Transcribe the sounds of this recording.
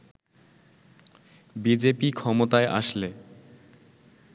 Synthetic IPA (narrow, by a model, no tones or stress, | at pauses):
bid͡ʑepikʰɔmot̪aeʔa̰ʃle